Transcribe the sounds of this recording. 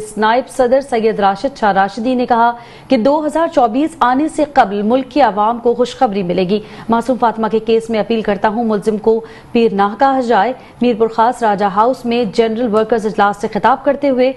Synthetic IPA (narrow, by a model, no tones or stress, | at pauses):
snaːɪbsɐd̪əɾsɐjːəd̪ɾaːʃəd̪ʃʰaɾaːʃɪd̪inekɐɦa | ked̪oːɦɐzaːɾt͡ʃɔːbiːsaːneseqɐblmʊlkːiɐʋaːmkoxʊʃxɐbɾimɪleːɡiːmaːsuːmfaːt̪makekeːsmẽɐpiːlkɐɾt̪aɦũmʊlzɪmko | piːɾnaːɦkaːɦd͡ʒaːe | miːɾpʊɾxaːst̪ɾaːd͡ʒaɦaːʊsmẽd͡ʒɛnɾəlʋəɾkəɾzɪd͡ʒlaːsːexɪt̪aːb̚kɐɾt̪eɦʊe